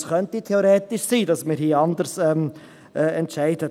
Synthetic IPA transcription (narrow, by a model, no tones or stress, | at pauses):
sχœntitʰeoɾeːtɪʃsiːdɑsmiːɾhiːɑnd̪əɾsɛm | ɛːɛntʃæɪdə